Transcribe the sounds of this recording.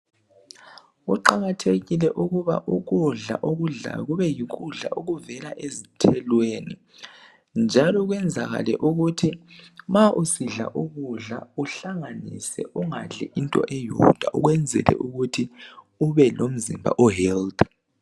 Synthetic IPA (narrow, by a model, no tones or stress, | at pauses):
uǃaɣatʰeɣilɛʔuɣuβa̰ʔuɣ̬ʼuɮa̰ʔoɣuɮa̰ɣuβɛjiɣ̬ʼuɮa̰ʔoɣuvɛlaʔezitʰɛlweːni | nd͡ʒʱalɔɣwɛnd͡zʱaɣa̰lɛ̰ʔuɣutʰimaʔusiɮa̰ʔuɣuɮa̰uɬaŋanḭsɛ̰ʔuŋaɮɛʔintʼɔ̰ʔɛjɔd̥ʱwaʔuɣwɛnd͡zʱɛ̰lɛ̰ʔuɣutʰi | uβɛlom̩zimbʱa̰ʔɔɦɛld